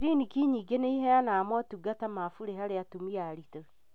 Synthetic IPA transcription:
ɾinikiɲiːɡeneiɦɛanaːmwɔtuɡatamafuɾeɦaɾeatumiaɾito

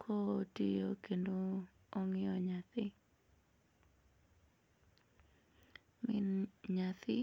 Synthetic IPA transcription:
kʰotḭjokendo | oŋɪɔɲat̪ɪ | mɪnɲat̪ɪ

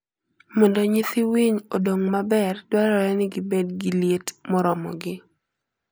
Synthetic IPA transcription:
mɔndɔɲɪt̪ɪwiɲodoŋmabɛrdwaɾɔɾɛnɪɡibedɡiljetmɔɾɔmɔ̰ɡɪ

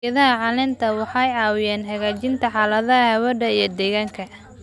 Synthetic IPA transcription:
ɐðɐɦɐʕɑlɪnt̪ʰɐwɑħɑjɑːwɪjɛːnhɐɣaːt͡ʃɪnt̪ʰɐħɑːlɐðɐɐhɛwɐdɐijɞd̪ɛɣaːŋkʰɐ

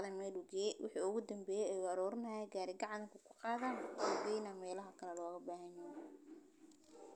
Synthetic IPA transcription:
ðɐmɛːlʊɡɛːjwʔɪ̰ħḭːʊɣʊd̪ɐmbɛːjɛɛjʊɐɾɔːrnɐjɛɡaːɾɪɡɑʕɑnkʰʊkʰʊ̥qɑːðaːnʊɡɛːjnaːmɛːlɐɦɐkʰɐlɛlɔːɣɐbaːɦɐnɛj

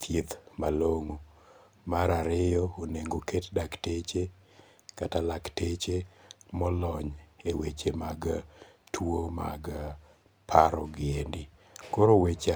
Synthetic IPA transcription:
t̪ʰjit̪maloŋo | maɾaɾɪjɔoneŋɡokʰetdaktet͡ʃe | katalaktet͡ʃemɔlɔɲewet͡ʃemaɡtʰwoma̰ɡ | pʰaɾɔɡɪendɪ | koɾowet͡ʃa

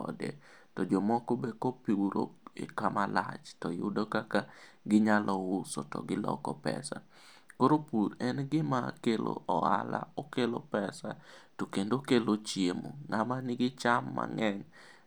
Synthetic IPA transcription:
ɔ̰dḛ | tɔd͡ʒomɔkobekopiuɾo̰ḛkamala̰t͡ʃtɔjʊdokakaɡɪɲalʔɔʊsotɔ̰ɡɪlɔ̰kɔpɛ̰sa̰ | koɾopuɾɛnɡɪmakelo̰ʔɔa̰la̰okelopɛsatokendokelot͡ʃjemoŋamanɪɡɪt͡ʃamːa̰ŋɛɲ

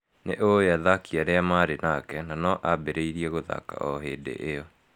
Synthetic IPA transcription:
neʔojaðakiaɾeamaɾenakɛnanɔʔabeɾeiɾiɛɣoða̰ka̰ʔɔɦeːdḛʔeɔ

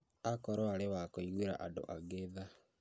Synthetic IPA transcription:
akɔɾɔaɾewakoiɣweɾa̰ʔado̰ʔaɣeða

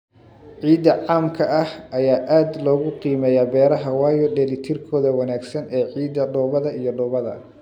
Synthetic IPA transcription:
ʕiːd̪ɐʕaːmkʰɐʔɐhʔɐjaːʔaːd̪lɔːɣʊqiːmɛjaːbɛːɾɐɦɐwɑːjɔɖɛlɪt̪ʰɪrkʰɔːðɐwɐnaːɡsɐnɛːʕiːd̪ɐɖɔːβɐðɐijɔɖɔːβɐðɐ̰

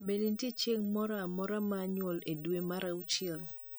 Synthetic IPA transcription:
bedintjet͡ʃeŋmɔɾaamɔɾamaːɲwɔledwemaɾaut͡ʃɛl

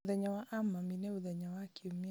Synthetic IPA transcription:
ðɛɲawaʔamaminɛuðɛɲawakiomi

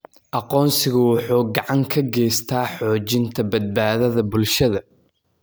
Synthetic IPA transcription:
ʔɑqɔːnsɪɣʊwɑħuːɡɑʕɑŋkʰɐɡɛjst̪ʰaːħɔːt͡ʃɪnt̪ʰɐbɐd̪̚baːðɐðɐbʊlʃɐðɐ

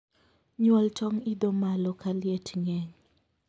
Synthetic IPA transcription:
ɲwɔltɔŋɪd̪ɔmalɔkaljetŋɛŋ

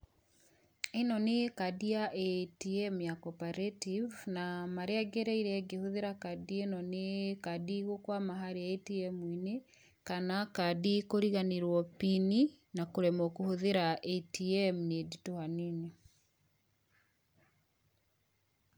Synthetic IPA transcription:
enɔnekadiaʔɛtiɛmjakɔpaɾetivnamaɾeaɡeɾɛiɾɛɡehoðeɾakadienɔnekadiɣokwamaɦaɾeaetiɛmwine | kanakadikoɾiɣaneɾwɔpini | nakoɾɛmɔkohoðeɾaɛtiɛmneditohanene

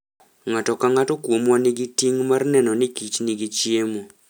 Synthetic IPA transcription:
ŋatɔkaŋatokuomwaniɡitiŋmaɾnɛnɔnikit͡ʃniɡit͡ʃiemo

